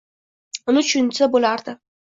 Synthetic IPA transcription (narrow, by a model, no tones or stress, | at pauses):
ʊnɪt͡ʃʰʊnsabolaɾd̪ɪ